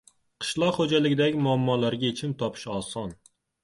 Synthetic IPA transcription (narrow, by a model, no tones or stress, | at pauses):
qʰɨ̥ʃlˠɒqχod͡ʒalɪɡʲɪd̪aɡʲɪmʊamːɒːlaɾɡʲaet͡ʃʰɪmt̪ʰɒpʰɪ̥ʃɒːsɒn